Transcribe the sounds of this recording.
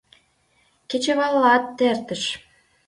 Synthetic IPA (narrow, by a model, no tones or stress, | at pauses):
ket͡ɕĕβɑlːɑt̪ːert̪ə̆ʃ